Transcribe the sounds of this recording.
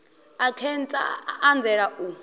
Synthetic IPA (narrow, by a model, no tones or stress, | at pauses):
akʰɛnt͡sʼa̰ːnd͡zɛɺaʔu